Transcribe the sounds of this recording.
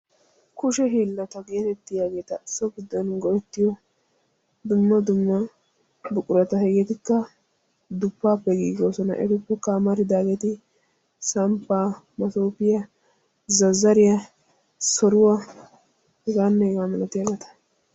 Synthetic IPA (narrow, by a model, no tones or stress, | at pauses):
kʊʃɛɦiːlːɐt̪ɐɡe̞ːt̪ɛt̪ːɪjaːɡeːt̪ɐsɔɡʊd̪ːɐnɡɔʔɛt̪ːɪjɔ | d̪ʊmːɐd̪ʊmːɐ | bʊkʼʊɾɐt̪ɐɦɛɡɛt̪ɪkːɐ | d̪ʊpːaːpːɛɡḭːɡoːsɔnɐ̰ʔɛ̰ɡʊpːɛkaːmɐɾɪd̪aːɡeːt̪ɪ | sɐmpːaː | mɐt̪oːpɪjɐ | zɐzːɐɾɪjɐ | sɔɾʊwɐ | hɛɡaːnːɛhɛɡaːmɐlɐt̪ːɪjaːɡɛt̪ɐ̥